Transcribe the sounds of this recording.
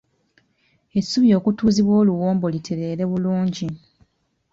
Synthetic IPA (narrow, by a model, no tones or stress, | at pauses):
e̞sːuβjo̞ːkutuːziβwoːluwoːmbo̞litʰe̞ɾe̞ːɾe̞βuluːɲɟi